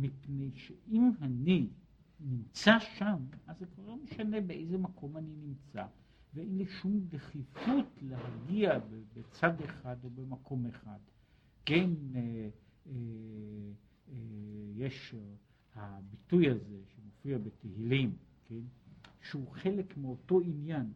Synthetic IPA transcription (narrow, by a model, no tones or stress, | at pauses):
mipne̞jʃeʔimani | nimt͡saʃamazekvaʁlo̞meʃane̞beʔejzemakʰo̞maninimt͡sa | veʔenliʃumdeχifutleɦaɡiabebet͡sad̪eχado̞bemakʰo̞meχad̪ | ken | e | jeʃ | habitujhaze̞ʃemofiabet̪ehilimkʰenʃeuχe̞le̞kmeo̞to̞injan